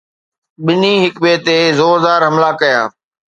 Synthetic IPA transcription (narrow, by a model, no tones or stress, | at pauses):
ɓɪniɦɪkɓeːt̪ezoːɾd̪aːɾɦɐmlakɐjã̰ː